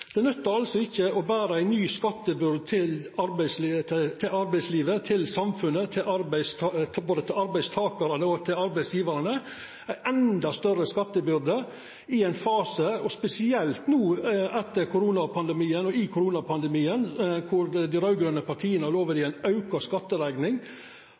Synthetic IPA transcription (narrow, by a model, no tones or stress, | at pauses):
d̪̥ɛnœt̪ːəɾɑlsɔɪçːəɔbæːɾəæɪnyːskɑt̪ːəbʏɾd̪̚t̪ʰɪlɑɾbæɪst̪ʰɪlɑɾbæɪsliːʋət̪ʰɪlsɑmfʉnːət̪ʰɪʔɑɾbæɪstboːd̪ət̪ɪlɑɾbæɪst̪ʰɑːkɑɾɑnəɔt̪ʰɪlɑɾbæɪsjiːʋɑɾɑnə | æɪʔɛnd̪ɑst̪œrəskɑt̪ːəbʏɾd̪ə | ɪæɪnfɑːsəɔspɛsɪɛlt̪nuːɛt̪ːəɾkʰʊɾuːnɑpʰɑnd̪ɛmiːənɔɪkʰʊɾuːnɑpʰɑnd̪ɛmiːənkʰʊɾd̪iɾɑʉɡɾøːnəpɑɾʈʰiːənəhɑloːʋəɾɪæɪnɑʉkɑskɑt̪ːəlæɡnɪŋ